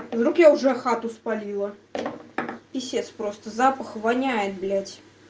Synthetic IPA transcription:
zɾukjawʐɛxat̪uspalʲilˠɐ | pʲisʲet̪spɾɔst̪əzapəxvanʲajɛt̪̚blʲat͡sʲ

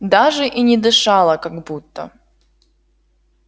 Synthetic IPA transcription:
d̪aʐɨʔinʲɪd̪ɨʂalˠəkaɡbut̪ːə̰

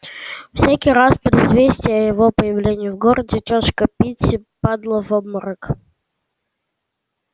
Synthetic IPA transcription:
fsʲækʲijɾaspəd̪ɪzvʲesʲtʲɪjəəjɪvo̞pəjɪvlʲenʲɪjʊvɡoɾədʲɪt̪ʲoʂkəpʲitʲɪpad̪lˠəvobməɾək

